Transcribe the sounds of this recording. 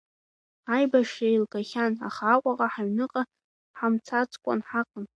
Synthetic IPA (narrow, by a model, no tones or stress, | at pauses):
ajbaʂailɡaχʲana̰χaːkʷʼaqʼaħaɥnɨqʼa | ħamt͡sʰat͡sʰʼkʷʼa̰nħaqʼən